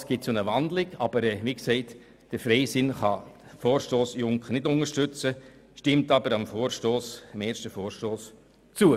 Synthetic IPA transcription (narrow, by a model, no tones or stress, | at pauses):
sɡ̥ɪt̚t͡sonəʋɑndlɪɡɑb̥əɾɛʋiːksɛɪt | d̥əfɾɛɪsɪnχɑfoːrʃtoːsjʊŋkχənɪdʊŋəʃtʏt͡səʃtɪmtɑbəɾɑmfoːɾʃtoːsɪmeːɾʃtəfoːɹʃtoːs | t͡suə